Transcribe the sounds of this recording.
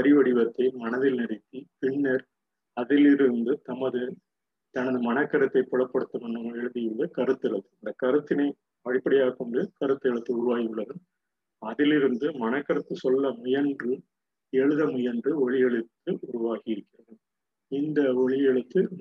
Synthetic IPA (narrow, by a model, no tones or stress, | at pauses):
ɐɾɪʋɐɽɪʋɐt̪ːɐɪmɐnɐðɪlnɪɾɐɪt̪ːipɪɳːɐɾ | ɐðɪlɪɾɯnd̪ɯt̪ɐmɐðɯ | t̪ɐnɐðɯmɐnɐkːɐɾɐt̪ːɐɪpːɔɭɐpːɐɽɯt̪ːɐmɐnːɯɐmɛɻɯðɪjɪɾɐðɯkɐɾɯt̪ːɛɭɐtːɯɪnd̪ɐkɐɾɯt̪ːɪnɐɪ | pɐɽɪpːɐɽɪjaːkɔɳɖɯkɐɾɯt̪ːɯɛɭɯt̪ːɯʊɾʊʋaːɣiʊɭːɐðɯm | ɐðɪlɪɾɯnd̪ɯmɐnɐkːɐɾɐt̪ːɯsɔlːɐmʊjɐndrɯ | ɛɻɯðɐmʊjɐndrɯɔɭɪjɛɭɯt̪ːɯʊɾʊʋaːɣɪɪɾɯkːɪrɐðɯm | ɪnd̪ɐɔɭɪjɛɭɯt̪ːɯ